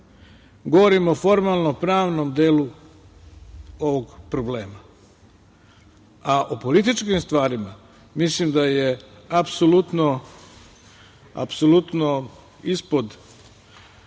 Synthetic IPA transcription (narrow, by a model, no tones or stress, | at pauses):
ɡo̞ʋo̞ɾimofo̞ɾmalˠnopɾaːʋnomd̪eːlu | o̞ʋo̞ɡpɾo̞ble̞ːma | aʔopo̞lit̪̬it͡ʃkimst̪ʋaːɾima | mislimd̪aje̞apsolut̪no | a̰pso̞lut̪no | ispo̞d̪